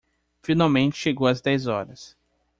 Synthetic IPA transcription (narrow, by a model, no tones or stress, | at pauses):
fĩnawmẽnt͡ʃɪ̥ʃeɡowɐzd̪ɛjzɔɾɐs